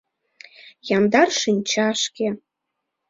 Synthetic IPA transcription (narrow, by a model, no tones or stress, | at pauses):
jɑnd̪ɑrʃinʲt͡ɕɑʃke